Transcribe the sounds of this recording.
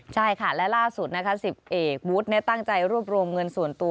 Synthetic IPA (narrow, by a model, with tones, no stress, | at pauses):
t͡ɕʰa˥˩jkʰa˥˩lɛ˦˥laː˥˩su˨˩t̪̚na˦˥kʰa˦˥si˨˩p̚ʔeː˨˩k̚wuː˦˥t̪̚nɛ˦˥t̪a˥˩ŋt͡ɕa˧jɾu˥˩əp̚ɾu˧mŋɤ˧nsu˨˩ənt̪u˧